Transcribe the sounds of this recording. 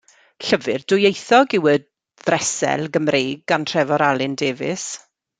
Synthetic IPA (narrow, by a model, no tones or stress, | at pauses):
ɬəvɨrd̥ʊjejθɔɡɪwə | ðrɛsɛ̰lˠɡəmrejɡantʰrɛvɔɾalˠɪndeːvɪs